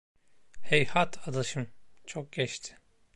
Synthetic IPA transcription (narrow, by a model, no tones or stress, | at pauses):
hejhat̪ʰad̪aʃɯmt͡ʃʰok̚ɟɛt͡ʃt̪ʰɪ̥